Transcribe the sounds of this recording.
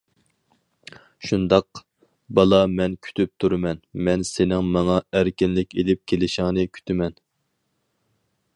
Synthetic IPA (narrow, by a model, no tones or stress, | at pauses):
ʃund̪ɑq | bɑlˠɑmɛnkʲʰy̥t̪ʰyp̚t̪ʰuɾɨmɛnmɛnsɪnɪŋmɑŋɑæɾkʲinlɪkʲelɪp̚kʲʰelɪʃɪŋnɨkʲʰy̥t̪ʰymɛn